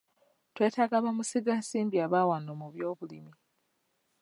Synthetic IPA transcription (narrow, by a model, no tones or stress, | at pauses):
twe̞ːtaɡaβamusiɡasiːmbiaβaːwanomuβjo̞ːβulḭmi